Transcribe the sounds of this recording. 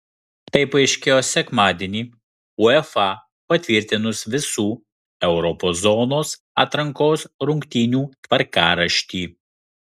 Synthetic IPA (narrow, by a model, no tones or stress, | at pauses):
t̪ɐɪpɐɪʃʲkʲeːjoːsʲɛkmɑːd̪ʲeːnʲiː | ʊɛfɑ | pɐt̪ʲʋʲɪɾʲˑt̪ʲɪnʊsʋʲɪsuː | ɛʊɾɔpoːszɔːnoːs | ɑːt̪ɾɐŋkoːsɾʊŋkt̪ʲiːnʲuːt̪ʋɐɾkɑːɾɐʃʲt̪ʲiː